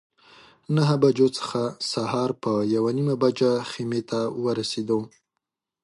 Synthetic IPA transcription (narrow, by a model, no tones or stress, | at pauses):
naɦabad͡ʒot͡sə̥xasahɑɾpəjawanimabad͡ʒaximet̪ʰawəɾased̪o